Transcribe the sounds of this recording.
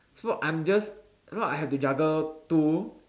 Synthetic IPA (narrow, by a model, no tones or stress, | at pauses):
sbɔʔʔãjmd͡ʒas | slaaɦɛftud͡ʒaɡətu